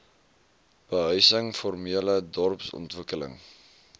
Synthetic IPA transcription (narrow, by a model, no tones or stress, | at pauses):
b̥əɦœɥsəŋfɔrmiələdɔrpsɔ̰ntvəkələ̰ŋ